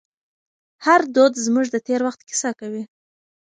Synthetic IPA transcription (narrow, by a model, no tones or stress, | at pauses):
haɾd̪od̪zmuʒd̪ət̪eɾwaxt̪kɪ̥sɑkawi